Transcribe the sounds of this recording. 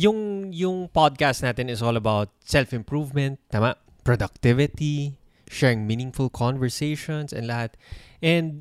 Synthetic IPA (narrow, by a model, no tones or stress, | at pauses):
jʊŋjʊŋpɔd̪̚kast̪naːt̪ɛnɪsoːlɐbawt̪̚sɛlfɪ̃mpɹuvmɛ̃nt̪ːaːmaʔ | pɹod̪ɐk̚t̪ɪvɪt̪i | ʃɛɹɪŋminɪ̃ŋfʊlkʰɔnvɛɹseʃɔnsɛ̰̃nlɐhat̪̚ʔɛ̃nd̪̚